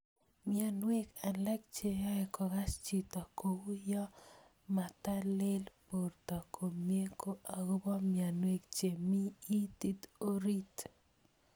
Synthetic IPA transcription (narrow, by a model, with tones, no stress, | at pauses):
mja˨nwe˦ka˨lɛ˦k̚t͡ʃe˨jɔ˦ɛ˨kɔ˨ɡa˦st͡ʃi˨tɔ˨ko˨wu˦jɔ˦ | ma˨ta˦le˦lpo˨rtɔ˨kʰo˨mje˦ko˦ʔa˨ɡo˦bɔ˦mja˨nwe˦kt͡ʃe˨mi˦i˦t̪i˦to˦ɾi˦t